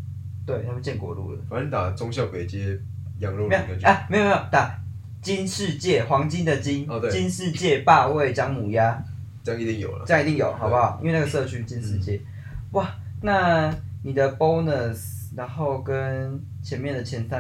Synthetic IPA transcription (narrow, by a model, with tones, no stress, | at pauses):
t̪we˥˩ɪnʰa˥˩pu˥˧t͡ɕjɛ˥˩nkwɔ̰˨˩lṵ˥˩d̪ə̰˩fa˨˦ni˧t̪a˨˩t͡sɔ˦ŋɕjɑ˥˨˩ʊke˨˩ɪt͡ɕi˦ɛ˦˥ | jɑ˧˦ŋlɔ˥˨me˦˥˨kə˧˩me˧˥jo˨˩me˦jo˨˩t̪a˨˩ | t͡ɕi˦˥nʂɻ̩˥˧t͡ɕjɛ˥˩xwɑ˧˥ŋt͡ɕi˦nd̪ə˨t͡ɕi˦n˧t̪we˥˨t͡ɕi˦nʂɻ̩˥˧t͡ɕjɛ˥˧pa˥˧we˥˨ɪt͡ɕjɑ˦ŋmu˨˩ja˦ | ə˥jɑ˥˨ŋi˧t̪i˥˩ŋjo̰˨˩ʊlə̰˨ə˥˧jŋi˧t̪i˥˩ŋjo˨˩ʊhɑ˨˩˦pa˦xɑ˨˩ʊʔḭ˧˦nwe˥˧na˥ɡə˩ʂɤ˥˧t͡ɕʰy˥t͡ɕi˦nʂɻ̩˥˧t͡ɕjɛ˥˩ | wa˥˨ | na˥˨ni˨˩d̪ə˦bo˦˥ʊnə˨sna˧˦nxo˥˩ʊkə˦n | t͡ɕʰjɛ˧˦nmjɛ˥˨nd̪ə˩t͡ɕʰjɛ˧˦nsa˦